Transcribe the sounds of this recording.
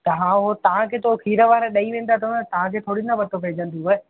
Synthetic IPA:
t̪ɐɦãːɦot̪ɐʋ̤ãkʰeːt̪okʰiːɾəʋaːɾeɗɐĩʋẽːn̆d̪at̪ʰɐ̃t̪ɐʋ̤ãkʰeːt̪ʰoːɽĩnd̪abɐʈ̪opɛɦd͡ʑə̃nt̪iɦoe

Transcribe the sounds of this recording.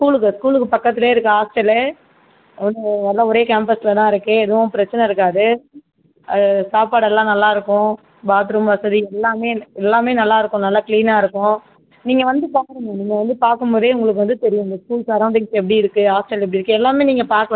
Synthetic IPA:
skuːlɯkːɯskuːlɯkːɯpɐkːɐt̪ːɪleːɪɾɯkːɯɦaːsʈɐle | ɔnɯnɐlːãːɔɾeːkeːmpɐslɐt̪ãːɪɾɯkːɯɛðɯʋʊ̃pɪɾɐt͡ʃːɐnɛɪɾɯkːaːðɯ | saːpaːɽɛlːãːnɐlːaːɪɾɯkːʊ̃ | baːt̪ɪɾɯmʋɐsɐðiɛlːaːmeːɛlːaːmeːnɐlːaːɪɾɯkːʊ̃nɐlːaːkliːnaːɪɾɯkːʊ̃ | niːŋɡɐʋɐnd̪ɯpaːkɾɐŋaniːŋɡɐʋɐnd̪ɯpaːɾkɯmboːðeːʊŋɡɐɭɯk̬ːɯʋɐnd̪ɯt̪ɛɾɪjʊ̃ɪnd̪ɐskuːlsaɾɐʊ̃ɳʈɪŋsɛp̬ːɐɽiɪɾɯkːɯaːsʈɐlɛp̬ːɐɽiɪɾɯkːɯɛlːaːmeːniːŋɡɐpaːɾkɐɭ

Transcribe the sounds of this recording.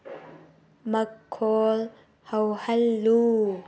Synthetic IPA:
mɐkʰːɔːl | hɐwhɐlːuː

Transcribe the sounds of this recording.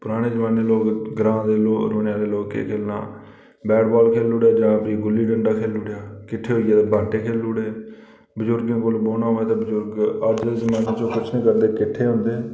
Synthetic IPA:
pʊɾaːɽ̃eːd͡ʒəmaːneːloːkɡɾãːd̪eːlo̰ːɾnjãːd̪eːloːkḛːkʰeːlna̰ː | bɛːʈbaːlkʰeːlʊɽjaːd͡ʒãːpiːɡʊlːiːɖəɳɖaːkʰeːlʊːɽejaːkɪʈʰːeːɦoːiaːt̪ːbʱaːʈeːkʰeːluːɽeː | bəzʊɾɡẽːkʊlboːnaːɦoːeːt̪eːbəd͡ʒʊɾɡəɾd͡ʒd̪eːd͡ʒəmaːneːt͡ʃõːkʊt͡ʃʰnĩːkəɾd̪eːkɪʈʰːeːɦʊ̃nd̪eː

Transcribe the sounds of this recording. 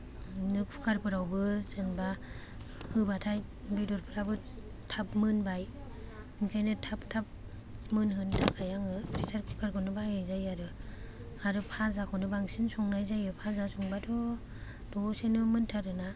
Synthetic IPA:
nɯkʰu̥kaɾpʰɯɾawbɯzɯnba | hɯbatʰaj | bidɔɾpʰɯɾabɯ | tʰap̚mɯnbaj | nkʰajnɯtʰap̚tʰap̚ | mɯnɦɯntʰakʰajaŋɯpʰɾisaɾkʰu̥kʰaɾkʰɔnɯbajajzajaɾɯ | aɾɯpʰazakʰɔnɯbaŋsinsɔŋnajzajɯpʰazasɔŋbadʰɔ | d̥ɔsenɯmɯntʰaɾɯna

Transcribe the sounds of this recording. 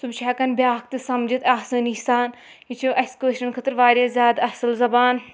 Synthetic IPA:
subʃaːkɐnbʲjaːk̚t̪ɨsɐmd͡ʒit̪aːsɐːnihsaːn | jit͡ʃʰuʔɐskeːʃɐnkʰɐt̪ɨɾʋaːɾʲjaːzʲjaːd̪ɐsɨlzɐbaːn

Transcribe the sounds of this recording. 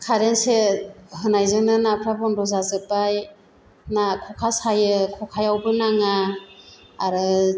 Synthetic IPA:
kʰaɾensehɯnajzɯŋnɯnapʰɾabɔnɾɔzazɯpaj | nakʰɔkʰasajɯkʰɔkʰajawbɯnaŋaː | ɾɯ

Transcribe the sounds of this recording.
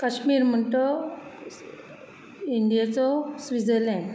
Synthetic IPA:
kəɕmiːɾm̤əɳt̪ɔ | iɳɖijat͡sɔsʋid͡zəlɛ̃ɳɖ

